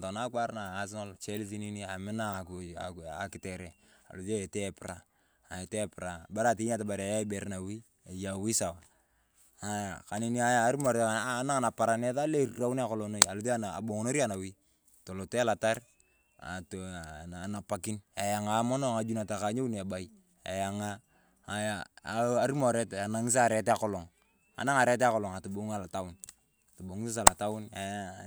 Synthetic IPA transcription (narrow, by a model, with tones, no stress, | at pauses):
ta˨na˦kwa˦ɾna˨a˦s̬no˦lt͡ʃe˦lfi˦ni˦ni˦a˨mɪ˦na˦˨kṵ˨a˨ki˨te˨ɾe˨ | a̰˨lu˨te˨te˦˨pi˨ɾa˨ | a˨e˨te˦˨pɾa˨ba˦ɾa˦˨ti˨˦ɲa˦ta˨ba˨ɾa˨ja˦i˦be˨ɾna˨wi˦ | a˨ja˨wi˦sa˨wa˨ | a˨ka˨ni˦ni˦a˦jaː˦ɾmo˨ɾa˨˦na˦˨na˨pa˨ɾa˨ne˦ta˦le˦˨ɾa˦wu˦n˦a˨ko˨lo˨no˦i˨a˨lu˨˦te˦a˦na˨a̰˨bo˨ŋ˨no˦ɾi˦a˦˨na˨wi˦ | to˨lo˨te˦a˦la˨ta˦r | a̰˨toa˨na˨pa˨ki˦na˨ja˨ŋa˨˦mo˦no˦ŋa˨d͡ʒu˦na˨ta˨ka˨ɲe˦u˦n˨a˨ba˨i | a̰˨ja˨ŋaː˦˨ | jaa˦ɾi˦mo˨ɾe˦ta˨na˨ŋi˦s̬a˦˨ɾɛ˨˦tɛ˦a˨kɔ˦lɔ˨ŋ | a̰˨na˦ŋa˨ɾɛ˦t̬e˦a˦kɔ˦lɔ˨ŋa˨to˨bo˨˦ŋa˨la˨ta˦wʊ˦n | a˨to˨bo˨ŋ˦sa˦s̬a˨la˨ta˦wʊ˦na˨j